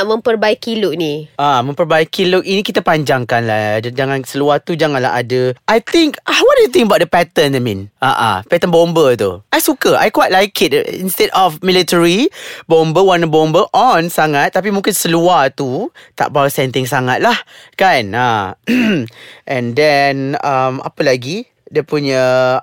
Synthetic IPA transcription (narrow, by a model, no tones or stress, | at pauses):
ʔmə̃mpərbaikilʊʔ̚niamə̃mpərbaikilʊʔinikit̪apaɲd͡ʒaŋkanlahdd͡ʒaŋãnsəluaht̪ud͡ʒaŋãnla̰ɦa̰dəʔajt̪ɪŋkawɔt̚dujut̪iŋkəbawt̚dəpɛt̪ənamĩnʔa̰ʔa̰pɛt̪ənbɔmbət̪ṵʔajsukəʔa̰jkwajt̚lajkɪt̚ḭnst̪ɛdɔfmilitəɹibɔ̃mbəwanəbɔmbəʔɔnsaŋãt̪ːap̬imũŋkɪnsəluaht̪ut̪a̰ʔbawsɛnt̪ɪŋs̬aŋat̪̚lahkana | ʔɛ̃ndɛnama̰pəlaɡi | dəpuɲə